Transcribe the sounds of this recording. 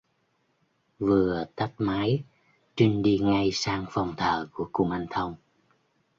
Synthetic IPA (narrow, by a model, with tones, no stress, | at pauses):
vɨ˨˩ət̪a˦˥k̚maː˨˦j | t͡ɕi˧ŋɗi˧ŋa˧jsaː˧ŋfa˨˩wŋ͡mt̪ʰəː˨˩ku˧˩əkṵ˧˩mʔa˧ŋt̪ʰə˧wŋ͡m